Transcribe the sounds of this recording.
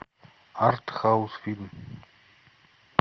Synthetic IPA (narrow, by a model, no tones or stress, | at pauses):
art̪xawʊsfilm